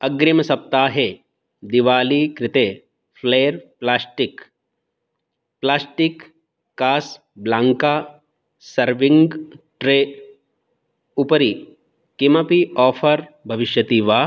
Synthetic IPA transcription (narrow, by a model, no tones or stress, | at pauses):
ɐɡɾimɐsɐp̚t̪aːɦe | d̪iʋaːliːkɾɪt̪eː | fʰleːɾplaːsʈik | plaːsʈikː | aːs | blãːŋkaː | sɐɾʋiŋɡʈɾeː | upɐɾi | kimɐpiɔːpʰɐɾbʱɐʋiʃjɐt̪iːʋaː